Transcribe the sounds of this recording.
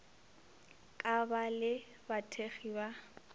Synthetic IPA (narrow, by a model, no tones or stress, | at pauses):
kʼabalɪ | batʰeχiːba